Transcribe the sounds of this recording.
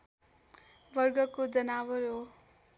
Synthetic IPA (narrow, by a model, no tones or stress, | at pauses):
bʌrɡʌkod͡zʌnawʌɾo